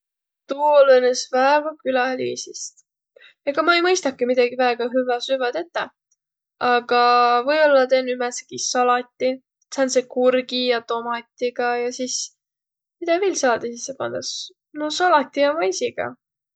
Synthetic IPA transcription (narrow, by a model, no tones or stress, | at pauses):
t̪uolɤnesvæevɑkylɑlḭːsist̪ | eɡ̥ɑmɑejmɤjst̪ɑkːˑemid̪̥ɑɡ̥ivæeɡ̥ɑɦyvɑsyvɑd̪e̞t̪ːe | ɑɡ̥ɑvɤjolːɑt̪enːymɛse̥kisɑlɑt̪ʲːˑi | sɑnsekurɡijɑt̪o̞mɑt̪ʲːˑiɡ̥ɑjɑsis | mid̪̥ɑveːlsɑːd̪̥ɑsisːepɑ̰nd̪̥ɑs | nosɑlɑt̪ʲːijɑmɑjsiɡ̥ɑ̰